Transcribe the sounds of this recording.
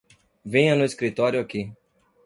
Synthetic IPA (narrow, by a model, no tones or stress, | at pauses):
vẽj̃ɐnʊiskɾit̪ɔɾjʊaki